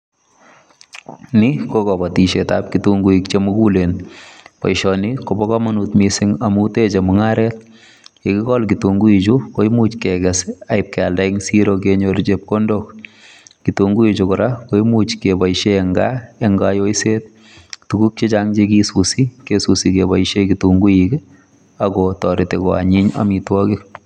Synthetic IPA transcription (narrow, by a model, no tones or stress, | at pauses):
nikokɔbatiʃetap̚kituŋɡuikt͡ʃemukulenpɔ̰jʃɔnikobɔkɔmanutmisɪŋamutet͡ʃemʊŋaɾɛt̚ | ekikɔlkituŋɡuit͡ʃukojmut͡ʃkɛɡɛsaɪp̚kɛaldaɪŋsiɾok̬eɲoɾt͡ʃep̚kondok | kituŋɡuit͡ʃokʊɾakojmut͡ʃkebajʃeːŋɡaeŋɡajoiset̚ | tuɡuk̚t͡ʃet͡ʃaŋd͡ʒekisusikesusikebaiʃekituŋɡuik | akɔtɔɾitekɔa̰ɲiɲa̰mitwɔkɪk